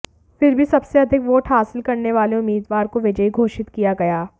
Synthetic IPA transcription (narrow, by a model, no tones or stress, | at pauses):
fɪɾbʱisɐbseɐd̪ʱɪkʋoːʈɦaːsɪlkɐɾneʋaːleʊmːiːd̪ʋaːɾkoʋɪd͡ʒəiɡʱoːʃɪt̪kijaɡɐjaː